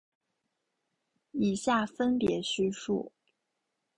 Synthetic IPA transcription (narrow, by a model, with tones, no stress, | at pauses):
i˨˩ɕja˥˩fə˥npjɛ˧˥ɕy˥ʂṵ˥˩